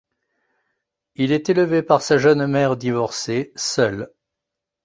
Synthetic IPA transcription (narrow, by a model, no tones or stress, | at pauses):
ilɛt̪eləvepaʁsaʒœnmɛʁd̪ivɔʁsesœl